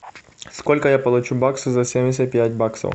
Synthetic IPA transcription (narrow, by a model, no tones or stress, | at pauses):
skɔlʲkɐjapɐlˠʊt͡ʃubaksɨzɐsʲemʲdʲɪsʲɐt̪̚ʲpʲjætʲbaksɐ̰w